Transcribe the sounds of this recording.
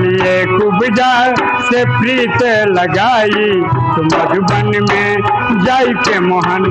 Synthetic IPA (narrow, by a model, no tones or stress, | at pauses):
ieːkubɪd͡ʒaː | sepɾiːt̪e | lɐɡaː | i | t̪omɐdubɐnmẽ | d͡ʒaːikemoɦɐn